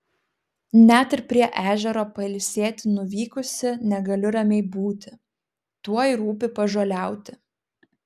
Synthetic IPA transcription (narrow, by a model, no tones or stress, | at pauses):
nʲæt̪ɪɾpʲɾʲiɛʔæːʒʲɛɾoːpɐɪlʲsʲeːt̪ʲɪnʊʋʲiːkʊsʲɪnʲɛɡɐlʲɪɾɐmʲɛɪbuːt̪ʲɪ̥ | t̪uɔjɾuːp̬ʲɪpɐʒoːlʲæˑʊt̪ʲɪ